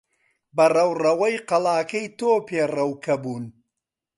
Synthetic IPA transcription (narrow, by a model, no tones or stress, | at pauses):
bɐrɐwrɐwɐjqɐlˠaːkɐjt̪oːpʰeːrɐwkʰɐbuːn